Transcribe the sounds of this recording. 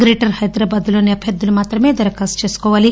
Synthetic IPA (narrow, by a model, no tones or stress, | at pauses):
ɡɾeːʈɐɾhɐjd̪ɾaːbaːd̪ulo̞ːniɐbʱjɐd̪ːulumaːt̪ɾɐme̞ːd̪ɐɾɐkaːst͡ʃe̞ːsu̥kɔːʋaːli